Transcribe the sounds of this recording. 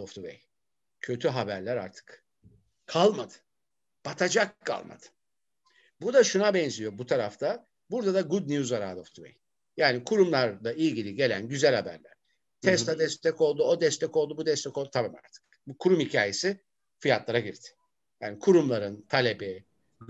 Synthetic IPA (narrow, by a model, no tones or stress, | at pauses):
oft̪ʰuvɛ̰j | cʰø̞t̪ʰyɦabæɾlʲæɾa̰ɾt̪ʰɯ̥k | kʰalˠmad̪ɯ̥ | b̥at̪ʰad͡ʒakʰːa̰lˠma̰d̪̥ɯ̥ | buɾd̪aʃunabɛnzijo̞but̪ʰaɾaft̪ʰa | buɾd̪ad̪aɡud̪nijuzaɾa̰ːd̪oft̪ʰuvɛ̰j | jaːnikʰuɾumlˠaɾlˠaʔilʲɟilʲiɟe̞lʲæ̰nɟyzælʲhabæ̰ɾlʲæɾ̥ | t̪ʰɛsad̪ɛst̪ʰɛko̞lˠd̪uod̪ɛst̪ʰɛcolˠd̪ubud̪ɛst̪ʰɛko̞lˠd̪ut̪ʰabaːma̰ɾt̪ʰɯ̥k̚ | bukʰuɾumhicʰaːje̞sɪ | fijat̪lˠaɾaɟiɾt̪ʰɪ̥ | jaːnikʰuɾumlˠaɾɯnt̪ʰalʲe̞bi